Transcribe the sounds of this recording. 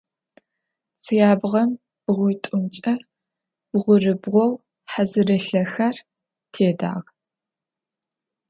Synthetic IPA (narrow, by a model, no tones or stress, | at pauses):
t͡sʰɨjaːbʁɐm | b̥ɨʁʷʊjtʼʊmt͡ʃʼɐ | b̥ʁʷʊrɨbʁʷɔw | ħazɨrɨɬɐxɐr | tʰeːda̰ːʁ